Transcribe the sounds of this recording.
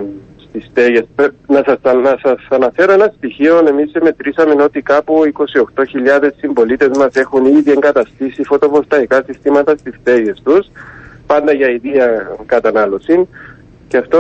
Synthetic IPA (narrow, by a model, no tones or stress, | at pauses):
st̪isθeʝe̞spnɐsɐsɐsɐsɐnɐfe̞ɾoenɐst̪içio̞ne̞miseme̞t̪ɾisɐme̞no̞t̪ikɐpuiko̞sio̞xt̪o̞çiʎːɐðe̞sːimbo̞lit̪e̞zmɐse̞xuniðie̞ŋɡɐt̪ɐst̪isifo̞t̪o̞vost̪ɐikɐsist̪imɐt̪ɐst̪ist̪e̞ʝe̞st̪uspɐnd̪ɐʝɐiðiɐkɐt̪ɐnɐlo̞sin | ceɐft̪o